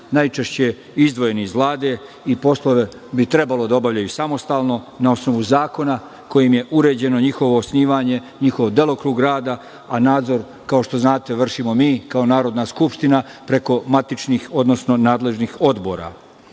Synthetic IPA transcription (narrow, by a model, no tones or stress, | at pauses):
najt͡ʃe̞ʃt͡ɕe | izd̪ʋo̞je̞niizʋlˠaːd̪e̞ | ipo̞slˠoʋe̞ | bit̪ɾe̞balo̞d̪ao̞baʋʎajusamo̞st̪aːlˠno̞ | nao̞sno̞ʋuzaːko̞na | ko̞jimje̞ʔuɾe̞ːd͡ʑe̞no̞ɲixo̞ʋo̞ːsniːʋaːɲe̞ | ɲixo̞ʋd̪e̞lˠo̞kɾuːɡɾaːd̪a | anaːd̪zo̞ɾ | kao̞ʃt̪o̞znaːt̪e̞ʋr̩ʃimo̞miːkao̞naːɾo̞d̪naskupʃt̪inapɾe̞ko̞mat̪it͡ʃnixo̞d̪no̞sno̞naːd̪le̞ʒnixo̞d̪bo̞̰ɾa̰